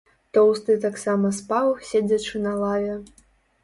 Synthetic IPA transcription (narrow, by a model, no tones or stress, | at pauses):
t̪ɔwst̪ɨt̪aksamɐspavɨxsʲed͡zʲɐt͡ʂɨnɐlˠavʲɛ